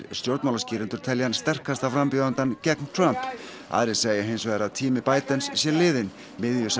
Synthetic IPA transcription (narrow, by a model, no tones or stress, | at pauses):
ɾst̪jowɾt̪mawlasciːɾɪnt̪ʏɾt̪ʰɛljanst̪ɛr̥kast̪awfɾampʏðant̪ancɛknt̪ʰɾamp | a̰ðɾɪseːjɪɦejnsvɛːɾaðt̪ʰiːmɪpaːjt̪ənssjɛlɪːðɪn | mɪðjʏs